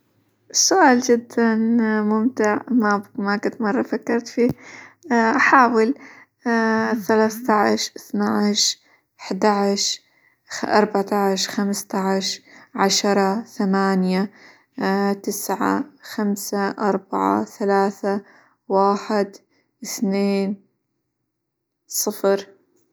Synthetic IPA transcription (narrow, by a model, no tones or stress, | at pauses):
sʊʔaːld͡ʒɪd̪ːanmʊmt̪ɪʕmabmakʊnt̪mɑrˤːɑfakːɑɾˤt̪fiː | ʔaħaːwɪl | θalaːθt̪aʕʃʔɪθnaʕɪʃ | ɪħd̪aʕʃ | ʔɑɾˤbaʕt̪aʕʃxamst̪aʕʃʕaʃɑɾˤɑθamaːnja | t̪ɪsʕa̰xamsaʔɑɾˤbaʕa̰θalaːθa | waːħɪd̪ | ʔɪθneːn | sˤɨfɾ